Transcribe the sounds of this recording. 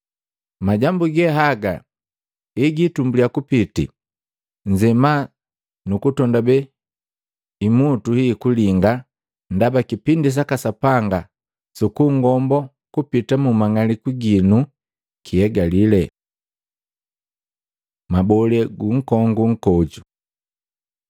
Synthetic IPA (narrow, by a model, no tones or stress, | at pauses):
maɟambuɡɛɦaɡa̰ | iɡitumbuliakupitḭ | ɲd͡ʒɛma | nukutɔndabɛ | imutuhikuliŋɡa | ndabakipindis̬akasapaŋɡa | sukuŋɡɔmbɔ | kupitamumaŋalikiɡinu | kʰiɛɡalilɛ | mabɔlɛɡuŋ̩kɔŋɡuŋ̩kɔd͡ʒu